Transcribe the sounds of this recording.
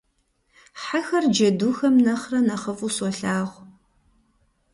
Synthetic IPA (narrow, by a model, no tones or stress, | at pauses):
ħaxɐrd͡ʒɐduːxɐmnɐχrɐnɐχəfusɔɬaːʁʷ